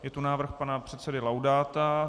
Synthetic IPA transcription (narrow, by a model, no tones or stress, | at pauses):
jɛt̪unaːvr̩xpanapr̝̥ɛt̪sɛdɪlawdaːt̪a